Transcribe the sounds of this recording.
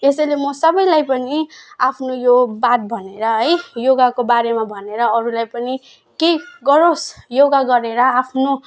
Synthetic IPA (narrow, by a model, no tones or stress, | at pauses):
esʌjlemʌsʌbʌjlajpʌniapʰnojobat̪̚bʱʌneɾʌɦʌjjoɡakobaɾemabʱʌneɾʌːɾulajpʌni | keɡʌɾosjoɡaɡʌɾeɾʌapʰno